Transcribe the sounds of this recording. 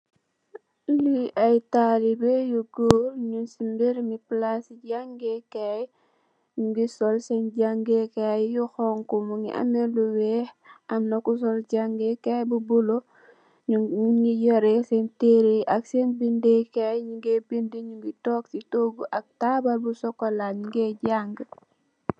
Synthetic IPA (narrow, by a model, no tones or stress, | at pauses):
liʔajtalibejuɡoːɾɲunsimbeɾmiplasiɟaŋɡekaj | ɲuŋɡisɔlsɛnɟaŋɡekajjuxɔŋkumuŋḭʔa̰meluwɛh | amnakus̬ɔlɟaŋɡekajbubulo | uŋijɔɾesenteɾiʔaksenbindekajɲuŋɡebindiɲuŋɡitɔːksitoːɡuʔak̚tabalbusɔkolaɲuŋɡeɟaŋɡ